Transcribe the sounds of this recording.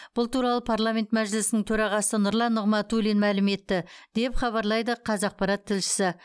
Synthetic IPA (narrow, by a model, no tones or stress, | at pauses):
b̥ʊlˠt̪uɾɑlˠəpʰaɾlˠamʲe̞nt̪mæʒɪlɪsɪnɪŋt̪ʰɵɾɑʁɑsənʊɾlˠɑnːʊʁmɑt̪ulenmælɪme̞t̪ːɪd̪e̞pχɑβɑɾlˠɑjd̪əqʰɑzɑq̚pɑɾɑt̪ʰːɪlʃɪ̥sɪ